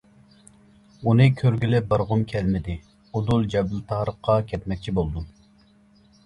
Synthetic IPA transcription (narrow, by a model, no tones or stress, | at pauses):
unɨkʲʰøɾɡʲilɪp̚bɑɾʁʊmkʲʰɛlmɪd̪ɪ | od̪ulˠd͡ʒɛbɪlt̪ʰɑhɾəχqʰːɑkʲʰɛt̪mɛk̚ʲt͡ʃʰibolˠd̪u